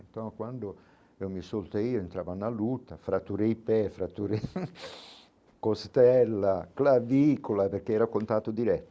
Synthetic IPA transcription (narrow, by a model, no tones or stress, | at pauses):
nt̪ɔnkwand̪o | ɛomisolt̪eiːoent̪ɾavanːalut̪ːafɾat̪ːuɾejpɛfɾat̪ːuɾe | kost̪ɛlːaklavikolaperk̟eɛɾakont̪aːt̪od̪iɾɛt̪ː